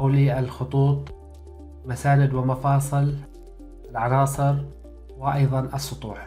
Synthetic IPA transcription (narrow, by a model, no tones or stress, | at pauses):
awliʔalxʊt̪ˤuːt̪ˤ | masaːnɪd̪wɪmafɑːsˤɨl | ʔɪlʕɑnɑːsˤɨɾ | wɪʔɑjðˤɑnʔɑsˤːʊt̪ˤṵːħ